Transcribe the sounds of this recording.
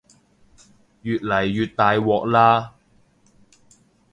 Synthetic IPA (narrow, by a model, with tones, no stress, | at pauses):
jyː˨t̚lɐ˨˩jːyː˨t̚t̪ːaː˨jwɔː˨k̚laː˥